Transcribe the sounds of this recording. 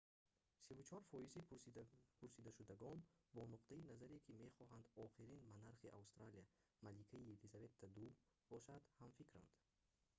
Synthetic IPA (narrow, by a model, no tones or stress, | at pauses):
sivut͡ʃʰɔɾfɔjizi | pʰuɾsid̪aʃud̪aɡɔnbɔnuqt̪ʰainazaɾekʰime̞χɔɦand̪ɔχiɾinbanaɾχiʔa̰ust̪ɾalija | malikʰaielizave̞t̪ːad̪u | bɔʃad̪hamfikɾa̰nd̪̥